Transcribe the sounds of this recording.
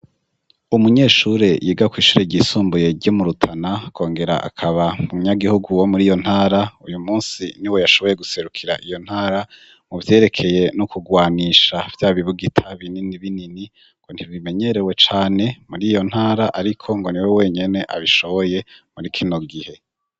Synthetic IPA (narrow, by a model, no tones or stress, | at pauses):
umuɲe̞ːʃuɾe̞jʔiːɡakwiːʃuːɾeɟiːsuːmbuje̞ɾɟomuɾutʰanakʰo̞ːŋɡe̞ɾa̰ʔa̰kʰaβamuɲaɡihuɡuwomuɾiːjo̞n̥haːɾaujumuːnsiniwe̞jaʃo̞βo̞je̞ɡuse̞ɾukʰiɾa̰ʔijo̞n̥haːɾa | muvje̞ːɾe̞kʰe̞je̞nukuɡwaːniːʃav̥jaːβiβuɡitʰaβininiβinini | ŋɡ̥on̥tiβime̞ɲe̞ɾe̞we̞t͡ʃaːne̞muɾiːjo̞n̥haːɾaʔaɾikʰo̞ŋɡo̞niwewe̞ːɲe̞ne̞ʔaβiʃo̞βo̞je̞muɾikʰino̞ɡihe̞